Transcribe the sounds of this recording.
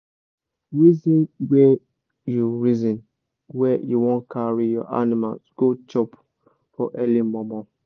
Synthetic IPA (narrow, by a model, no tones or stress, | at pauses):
ɹizĩnwɛ | juɹizĩn | wɛjuwɔ̃nkʰaɹijɔ̰ʔa̰nimalsɡ̥ot͡ʃɔp | fɔʔɛlimɔmɔ̃